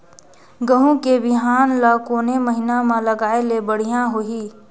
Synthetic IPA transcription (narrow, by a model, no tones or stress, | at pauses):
ɡəɦũkebɪɦaːnlakoːneməɦɪnamãləɡaːelebəɽ̤ijãɦoiː